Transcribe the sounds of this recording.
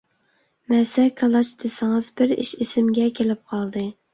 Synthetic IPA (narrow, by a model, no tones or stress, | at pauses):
mɛsɛkʰɑlˠɑt͡ʃd̪esɪŋɨzbɪɾiʃisɪmɡʲɛkʲʰelɪp̚qʰɑlˠd̪ɨ